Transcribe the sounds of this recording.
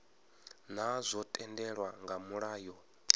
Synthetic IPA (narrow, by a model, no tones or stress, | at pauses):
n̤azʷɔtʼɛndɛɺwaŋɡamuɺaːjɔ